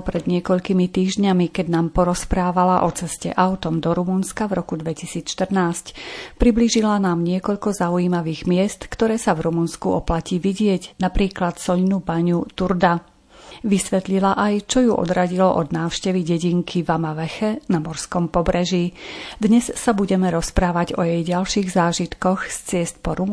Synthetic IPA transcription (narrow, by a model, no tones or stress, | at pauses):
pɾɛd̪ɲɪɛkɔʎkimit̪iːʒɲamikɛɟnaːmpɔɾɔspɾaːʋalaʔɔt͡sɛscɛ̰ʔaʊt̪ɔmd̪ɔɾumunskavɾɔkud̪ʋɛcisiːt͡sʃt̪r̩naːscpɾibliʒilanaːmɲɪɛkɔʎkɔzaujiːmaʋiːɣmɪɛst̪kt̪ɔɾɛːsavɾumunskuɔplaciːʋiɟɪɛɟnapɾiːklat̪sɔʎnubaɲut̪uɾd̪a | ʋisʋɛt̪ʎilaʔajt͡ʃɔjuʔɔ̰d̪ɾaɟilɔʔɔd̪naːʊʃcɛʋiɟɛɟiŋkʰivamaʋɛxɛnamɔɾskɔmpɔbɾʔɛʒid̪ɲɛssabuɟɛmɛɾɔspɾaːʋaɟɔjɛjɟalʃiːɣzaːʒit̪kɔxst͡sɪɛst̪̚pɔɾu